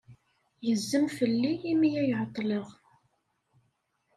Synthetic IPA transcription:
jəzːəmfəlːijimijæjʕət̪ˤːləʁ

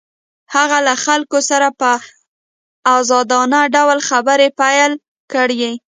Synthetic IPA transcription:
haɣalaxalkosaɾapə | awzɑd̪ɑnaɖawlxabəɾepajəl | kəɽje

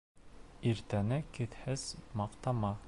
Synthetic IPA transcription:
iɾt̪ænɘkɘ̆ðhɘz̥mɑqt̪ɑmɑ

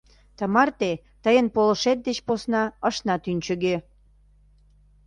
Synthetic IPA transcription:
t̪əmɑrt̪e | t̪əjənpolə̆ʃet̪̚d̪et͡ɕposnɑəʃnɑt̪ynʲt͡ɕə̆ɣe

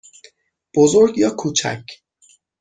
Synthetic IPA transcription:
b̥ozoɾɡjɒːkʰuːt͡ʃʰæ̰cʰ

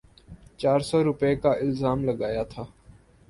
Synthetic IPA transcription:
t͡ʃaːɾsɔːɾʊpekaːʔɪlzaːmləɠaːjaːt̪ʰaː

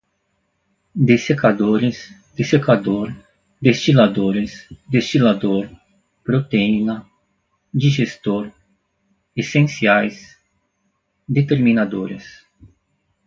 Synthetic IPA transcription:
d̪esekad̪oɾɪs | d̪̥esekad̪oɾ | d̪est͡ʃilad̪oɾɪsd̪est͡ʃilad̪oɾ | pɾot̪einɐ | d͡ʒiʒest̪oɾ | esẽsiajs | d̪et̪eɾmĩnad̪oɾɪs

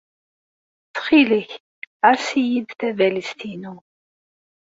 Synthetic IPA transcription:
t͡sːχiləç | aɾsijid̪θævælist̪inu

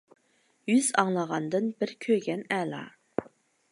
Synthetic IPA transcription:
jyzɑŋlˠɑʁɑnd̪ɨnbɪɾkʲʰøɡʲɛnɛːlˠɑ̰

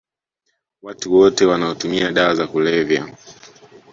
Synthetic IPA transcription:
watuwɔtɛwanaɔtumiaɗaazakulɛvja̰

